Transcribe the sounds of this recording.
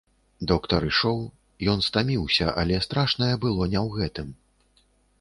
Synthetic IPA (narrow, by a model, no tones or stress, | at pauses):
d̪ɔkt̪ɐɾɨʂɔw | jɔn̪st̪amʲiwsʲɐʔa̰lʲɛst̪ɾaʂnɐjɛbɨlˠɔnʲɛwɣɛt̪ɨm